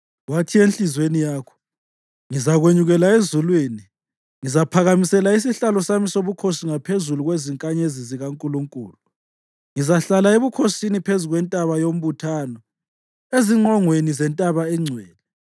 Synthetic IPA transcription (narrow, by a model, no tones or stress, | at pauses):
watʰienɬizwenijaːkʰɔ̥ | ŋizaɣweɲuɣɛlaezulwiːni | ŋizapʰaɣamisɛlais̬iɬalɔsamisoβukʰosiŋapʰezuluɣweziŋkʼaɲeziziɣaŋkʼuluŋkʼṵːlu | ŋizaɬalaeβukʰosinipʰezuɣwɛntʼaβajom̩βutʰaːnɔ | eziɔŋwenizɛntʼaβaɛŋ͡ǀʱwɛːlɛ